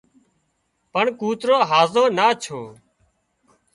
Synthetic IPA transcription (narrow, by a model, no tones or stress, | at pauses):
pəɳkuːt̪ɾoːɦaːzoːnaːt͡ʃʰoː